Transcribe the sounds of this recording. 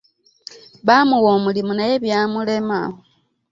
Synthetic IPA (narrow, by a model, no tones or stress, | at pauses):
βamuwo̞ːmulimunajeβjamule̞ma̰ho